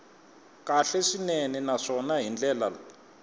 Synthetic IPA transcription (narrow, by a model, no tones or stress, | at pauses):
kaɬɛʂineninaʂɔnaɦind͡ɮɛːlala